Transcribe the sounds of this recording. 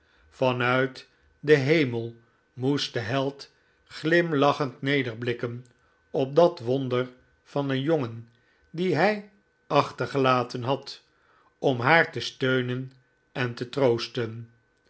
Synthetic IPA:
fɑnœɥt | dəɦejməlˠ | must̚dəɦɛlˠt | χlɪmlɑχəntnejdəɹblɪkən | ɔp̚dɑtʋɔndəɹ | fɑndəjoŋən | diɦɛj | ɑχtəɹχəlaːtənɦɑt | ɔmɦaːɹtəstøɥnən | ɛntətrowstən

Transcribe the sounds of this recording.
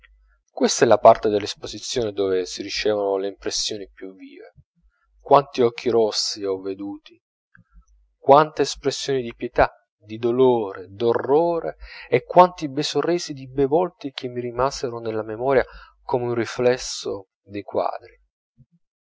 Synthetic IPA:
kwest̪aɛlapart̪ed̪elːespozit̪sːjoːned̪oːvesiɾit͡ʃɛːvanoleimpɾesːjoːnipjuvːḭːvḛ | kwant̪iɔk̟ːiɾɔsːiɔvːed̪uːt̪i̥ | kwant̪eːspɾesːjoːnid̪ipjet̪a | d̪id̪oloːɾed̪orːoːɾeekːwant̪ibesorːɛːzid̪ibevɔlt̪ik̟emːiɾimaːzeɾonelːamemɔːɾja | komeunriflɛsːo | d̪ejkwa̰ːd̪ɾi

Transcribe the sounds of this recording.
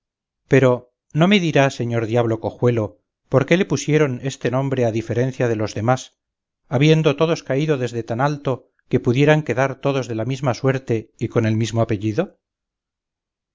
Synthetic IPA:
pe̞ɾo̞ | no̞me̞ðiɾase̞ɲo̞ɾðjaβ̞lo̞ko̞xwe̞lo̞ | po̞ɾke̞le̞pusje̞ɾo̞ne̞st̪e̞nõ̞mbɾe̞aðife̞ɾe̞nθjað̞e̞lo̞zðe̞mas | aβje̞nd̪o̞t̪o̞ðo̞skaiðo̞ðe̞zðe̞t̪analt̪o̞ | ke̞puðje̞ɾaŋke̞ðaɾt̪o̞ðo̞zðe̞lamizmaswe̞ɾt̪e̞iko̞ne̞lmizmoape̞ʝiðo̞

